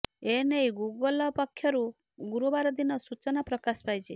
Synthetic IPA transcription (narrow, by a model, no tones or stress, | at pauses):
enejɡuɡɔlapakʰjɔɾu | ɡuɾubaɾɔd̪inɔsut͡ʃɔnapɾɔkaspajt͡ʃʰi